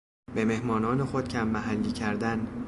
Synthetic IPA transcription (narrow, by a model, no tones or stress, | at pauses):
beme̞hmɒːnɒːne̞xod̪̥̚cʰæmːæɦælːiːcʰæɾd̪æn